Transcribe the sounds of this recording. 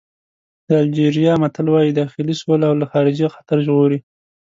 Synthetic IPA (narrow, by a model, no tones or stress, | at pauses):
d̪̥əald͡ʒeɾijɑmat̪alwɑjid̪ɑxɪliswʊlawlaxɑɾɪd͡ʒixḁt̪aɾʒɣoɾi